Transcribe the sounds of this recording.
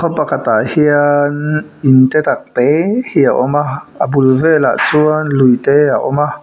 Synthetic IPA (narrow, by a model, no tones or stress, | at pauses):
kʰɔpakat̪ahiənint̪ɛt̪ak̚t̪ehiaʔɔmaəbulvɛla̰ʔt͡suənlujt̪eaʔɔma